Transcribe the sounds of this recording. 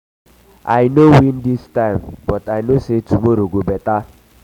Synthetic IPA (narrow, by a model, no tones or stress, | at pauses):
a̰ɪnowindistaɪmbɔtaɪnosetumoɾoɡobɛta